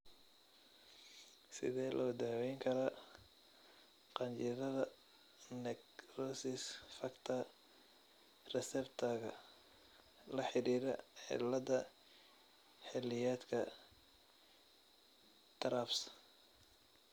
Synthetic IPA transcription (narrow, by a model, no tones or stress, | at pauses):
sɪ̰ðɛːlʔɐ̰wd̪aːwɛjŋkʰɐɾɐ | qɑnt͡ʃɪðɐðɐ | nɛkrɔsɪsfɐkt̪ʰɐ | rɛsɛbt̪ʰɐɣɐ | lɐħɪɾiːɾɐ̰ħɪ̰lɐdɐ | ħɪlɪjɛːd̪kʰɐ | t̪ʰɐɾaːfs